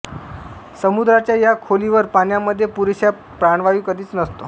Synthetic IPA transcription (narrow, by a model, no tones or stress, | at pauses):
səmud̪ɾat͡ɕjajakʰoliʋəɾpanjaməd̪ʱːjepuɾiɕja | pɾaɳ̃ʋajũkəd̪ʱiːt͡snəst̪o